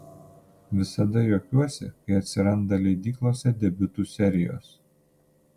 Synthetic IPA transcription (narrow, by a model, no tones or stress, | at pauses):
ʋʲɪsɐd̪ɐjoːkʲuɔsʲɛ̰kɐɪɐt̪ʲsʲɪɾɐnd̪ɐlʲɛɪd̪ʲiːklˠoːsʲɛd̪ʲɛbʲʊt̪uːˑsʲɛɾʲɪjo̰ːs